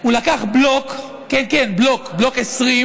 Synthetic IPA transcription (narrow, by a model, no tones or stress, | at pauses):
ulakaχblokː | enkenblo̞kblo̞kesʁi